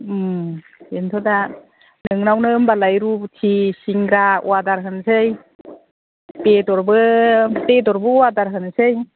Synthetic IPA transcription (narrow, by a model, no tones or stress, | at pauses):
m | entʰɔda | nɯŋnawnɯmbalajɾutʰisiŋɾaw̰adaɾɦɯnsɯj | pedɔɾbɯpedɔɾbɯwadaɾɦɯnsɯj